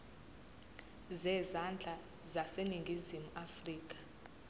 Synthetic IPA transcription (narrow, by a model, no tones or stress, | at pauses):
zɛzand͡ɮʱʼa | zaseniŋɡʱizimuafriːk̬ʼḁ